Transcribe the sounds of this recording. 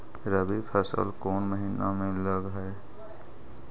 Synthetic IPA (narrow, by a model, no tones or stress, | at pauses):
ɾəbipʰəsə̰lkɔːnməɦiːnamẽləɡɦɛː